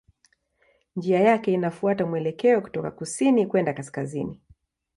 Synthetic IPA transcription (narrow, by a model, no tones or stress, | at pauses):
nd͡ʒiajakɛinafuatamwɛlɛkɛɔku̥tɔkakusinikwɛndakaskazini